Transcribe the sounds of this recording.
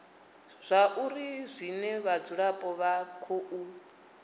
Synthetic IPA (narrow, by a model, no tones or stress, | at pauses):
z̥ʷaʔuɾizʷinɛβad͡zuɺapʼɔβakʰoʔu